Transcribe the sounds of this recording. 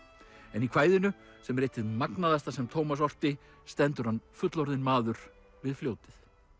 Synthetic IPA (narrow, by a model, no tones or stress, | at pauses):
ɛnikʰv̥aːjðɪnʏ | sɛmrɪjht̪ɪðmaknaðast̪asɛmt̪ʰoːwmasɔr̥t̪ɪ | st̪ɛnt̪ʏɾ̥hanfʏt̪lɔɾðɪnmaːðʏɾ̥ | vɪðfljoːwt̪ɪθ